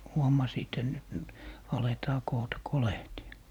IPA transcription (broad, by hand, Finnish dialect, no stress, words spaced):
huomɑsiːt et nyt nyt ɑletɑː koːtɑ kolehtiɑ